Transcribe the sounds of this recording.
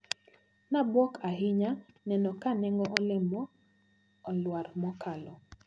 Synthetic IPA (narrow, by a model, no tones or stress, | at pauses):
nabwɔkʰaɦɪɲa | nɛnɔkanɛŋɡɔʔɔlɪmɔː | lwaɾmɔkalɔ